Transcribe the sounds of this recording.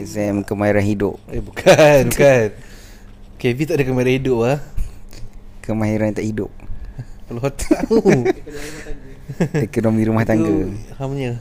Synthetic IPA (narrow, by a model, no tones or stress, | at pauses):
saɛmkəmaiɾanhidʊ̰p̚ebukʰanbukan | kevit̪aʔdəakəmaiɾanhidʊp̚ah | kəmaɦiɾant̪aʔhidʊp̚pəloɦat̪au | ekonomiɾumaht̪aŋɡəhamɲə